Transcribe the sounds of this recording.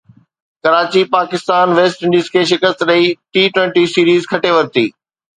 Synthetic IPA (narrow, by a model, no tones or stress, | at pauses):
kɐɾaːt͡ɕipaːkɪst̪aːnʋeːsʈɪ̃ɳɖiːzkʰeːʃɪkəst̪ɗɐiʈiːʈwɛ̃ɳʈisiːɾiːzkʰɐʈeʋɐɾt̪iː